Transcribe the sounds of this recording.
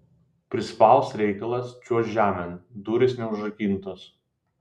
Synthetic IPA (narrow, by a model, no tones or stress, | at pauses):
pʲɾʲɪspɑˑlˠsɾʲɛɪkɐlˠɐst͡ʃʲuɔsʒʲæːmʲɛnd̪uːɾʲɪsnʲɛʊʒɐkʲiˑnt̪oːs